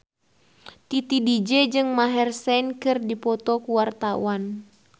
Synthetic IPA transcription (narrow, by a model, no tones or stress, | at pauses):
t̪it̪idid͡ʒɛd͡ʒɨŋmaɦɛrsɛnkɨrdipɔt̪ɔkuwart̪awan